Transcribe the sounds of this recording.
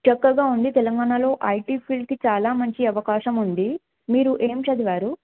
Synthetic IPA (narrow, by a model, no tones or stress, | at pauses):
t͡ʃɐkːɐɡaːund̪it̪ɛlɐŋɡaːɳɐlo̞ːʔɐjʈiːpʰiɭɖkit͡ʃaːlaːmɐɲt͡ʃiɐʋɐkaːʃɐmund̪i | miːɾuʔe̞ːmʃɐd̪iʋaːɾu